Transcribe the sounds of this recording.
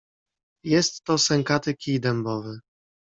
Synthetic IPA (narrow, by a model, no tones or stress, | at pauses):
jɛst̪ːɔsɛŋkat̪ɘkʲid̪ɛmbɔvɘ